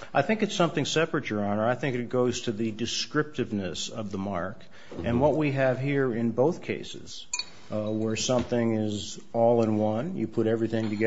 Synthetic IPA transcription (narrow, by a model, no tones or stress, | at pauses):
ʔaɪθɪ̃ŋkɨtsʌ̃mθɪ̃ŋsɛpɹɨt͡ʃə˞ɑ̃nə˞aɪθɪ̃ŋkɨt̚ɡ̥oʊz̥tʰɨðɨdɨskɹɪp̚tɨvnɨsʌvðəmɑɹk | ʔɨ̃nwʌt̚wiɨv̥ɦiɹɪ̃nboʊθkʰeɪsɨ̰z̥ | wə˞sʌ̃mθɪ̃ŋɪz | ɔlˠə̃nwʌ̃njɨpʰʊɾɛvɹiθɪ̃ŋtɨɡɛ